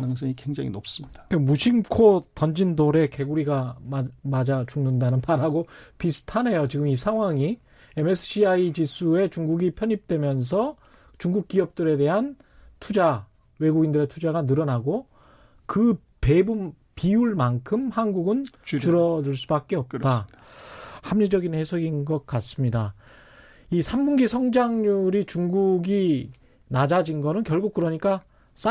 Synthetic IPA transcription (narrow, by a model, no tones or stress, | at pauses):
nɯŋs͈ʌŋikweŋd͡ʑa̰ŋḭnop̚s͈ɯmɲid̥akamuɕʰimkʰotʌnd͡ʑindoɾe̞ke̞ɡuɾiɡamamad͡ʑat͡ɕuŋnɯndanɯnmaɾɦaɡopisʰɯ̥tʰane̞jot͡ɕiɡɯmisʰaŋɦwaŋi | e̞mesʰɯ̥ɕʰiait͡ɕisʰue̞t͡ɕuŋɡuɡipʰjʌɲip̚t͈we̞mjʌns̬ʰʌ | t͡ɕuŋɡuk̚k͈iʌp̚t͈ɯɾe̞de̞ɦan | tʰud͡ʑa | we̞ɡuɡindɯɾe̞tʰud͡ʑaɡanɯɾʌnaɡo | kɯ | pe̞bum | piuɭmankʰɯmhanɡuɡɯnt͡ɕuɾʌdɯɭs͈ubak̚k͈e̞ʌp̚t͈a | hamɲid͡ʑʌɡinhe̞sʰʌɡinɡʌk̚k͈as͈ɯmɲida | isʰamːunɡisʰʌŋd͡ʑaŋɲuɾit͡ɕuŋɡuɡi | nad͡ʑad͡ʑinɡʌnɯnkjʌɭɡuk̚kɯɾʌɲik͈a | s͈a